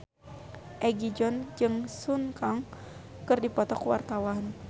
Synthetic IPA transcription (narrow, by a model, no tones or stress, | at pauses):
ʔɛɡid͡ʒɔnd͡ʒɨŋsunkaŋ | kɨrdipɔt̪ɔkuwa̰rt̪awan